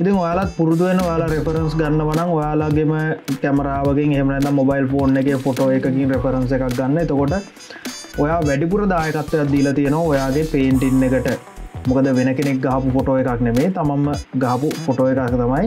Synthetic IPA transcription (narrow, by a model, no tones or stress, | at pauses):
it̪iŋojaːlat̪̚puɾut̪uʋenːəojaːlaɾepʰɐɾənsɡanːəʋanaŋojaːlaɡːeməkæmɐɾaːʋəɡeŋeɦemənɛd̪amːobajlfoːnːekefoʈoːekəkiŋɾepʰəɾənsekak̚ɡanːəit̪okoʈə | ojaːʋæɖipuɾəd̪aːjəkat̪ʋejat̪̚d̪iːlat̪ijənoʋaojaːɡepeːɳʈinːekəʈə | mukəd̪əʋenəkenek̚ɡaɦapufoʈoːekaknemeːt̪amamːəɡaɦɐpufoʈoːekakt̪amaj